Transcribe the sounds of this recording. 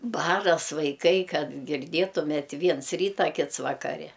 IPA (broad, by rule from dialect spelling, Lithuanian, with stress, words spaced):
ˈbɑːrɐs ʋɐɪˈkɐɪ ˈkɐt ɡʲɪrʲˈdʲeːtʊmʲeːtʲ ˈʋʲiɛns ˈrʲiːtɐ ˈkʲɪts ʋɐkɐˈrʲɛ